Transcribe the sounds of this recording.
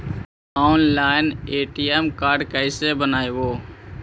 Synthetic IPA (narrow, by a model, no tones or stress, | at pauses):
aːʊnlaːɪneːʈiɛmkaːɾɖkəɪsebənaːeboː